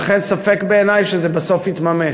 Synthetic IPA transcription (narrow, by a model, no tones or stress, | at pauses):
χensafekbeːnajʃezɛbaso̞fhit̪mame